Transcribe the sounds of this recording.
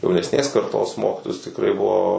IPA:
jɛʊnʲɛsʲˈnʲeːs kɐrˈtoːs ˈmoːkʲɪtoːjʊs tʲɪkˈrɐɪ ˈbʊʋoː

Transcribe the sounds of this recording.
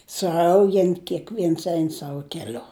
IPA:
sʊˈɐʊɡʲɛn kʲɛkˈʋʲiɛns ˈɛɪn ˈsɑːʋʊ kʲɛˈlʲʊ

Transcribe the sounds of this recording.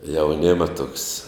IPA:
jɛʊˈnʲeːmɐ tuɔks

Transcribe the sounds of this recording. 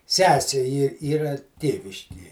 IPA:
ˈsʲæːsʲeː iːr ˈiːrɐ ˈtʲeːʋʲɪʃʲkʲiɛ

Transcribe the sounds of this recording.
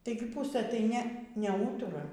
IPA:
ˈtɐɪɡʲɪ ˈpʊsɘ tɐɪ ˈnʲɛ nʲɛˈuːtʊrɐ

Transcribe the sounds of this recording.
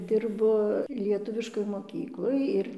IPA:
ˈdʲɪrbʊ lʲiɛˈtʊʋʲɪʃkoːj moːˈkʲiːklˠoːj ɪr

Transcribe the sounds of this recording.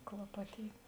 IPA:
klˠɐˈpɑːtʲiːtʲ

